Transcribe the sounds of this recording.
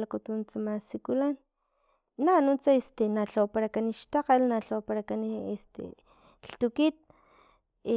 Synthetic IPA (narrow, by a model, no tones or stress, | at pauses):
lakut̪unt͡samasikulanː | anut͡saest̪enaɬawpaɾakaniʃt̪aqalnaɬawpaɾakaniest̪ḛ | ɬt̪ukit̪̚